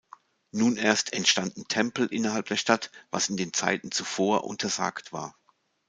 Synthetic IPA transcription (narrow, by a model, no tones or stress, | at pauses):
nuːnʔeːɐstʰɛntʃtandn̩tʰɛmpl̩ʔɪnɐhalp̚d̥eːɐʃtatva̰sɪndeːnt͡sa̰ɪtn̩t͡sufoːɐʔʊ̰ntʰɐza̰ːktv̥a̰ːɐ